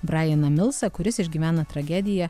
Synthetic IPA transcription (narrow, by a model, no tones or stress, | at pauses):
bɾɑːjɛnɐmʲɪlˠˑsɐkʊɾʲɪsɪʒʲɡʲiːʋʲæːnɐt̪ɾɐɡʲæd̪ʲɪjɛ